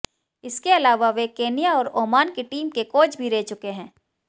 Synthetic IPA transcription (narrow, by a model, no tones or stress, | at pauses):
ɪskeɐlaːʋaʋekeːnijaɔːɾoːmaːnkeʈiːmkekoːd͡ʒbʱiɾɛɦt͡ʃʊkeɦɛ̃ː